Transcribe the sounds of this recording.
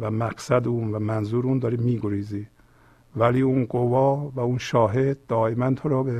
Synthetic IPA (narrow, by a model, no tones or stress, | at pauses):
væmæɡsæd̪uːnvæmænzuːɾuːnd̪ɒːɾiːmiːɡoɾiːziː | væliːuːnɡovɒːvæunʃɒːɦe̞d̪̚ːɒːemænt̪ʰoɾɒːbe